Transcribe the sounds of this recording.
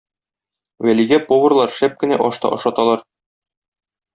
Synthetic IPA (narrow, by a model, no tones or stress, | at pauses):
wæliɡæpovɤ̆rlˠɑɾʃæp̚kɘ̆næʔɒʃt̪ɑ̰ʔɒ̆ʃɑt̪ɑlˠɑɾ